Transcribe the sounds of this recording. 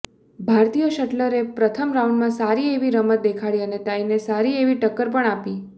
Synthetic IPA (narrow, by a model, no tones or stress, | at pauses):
bʱaɾt̪ijəʃəʈləɾepɾət̪ʰəmɾauɳɖmãsaɾieʋiɾəmət̪̚d̪ekʰaɭiənet̪ainesaɾieʋiʈəkːəɾpəɳapi